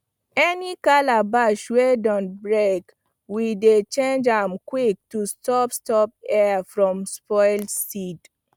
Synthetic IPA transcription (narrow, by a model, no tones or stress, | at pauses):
ɛnikalabaʃwedɔ̃nt̚bɹek | widet͡ʃẽnd͡ʒãmkwik̚tustɔpstɔp̚ɛafɹɔ̃mspɔɪlsid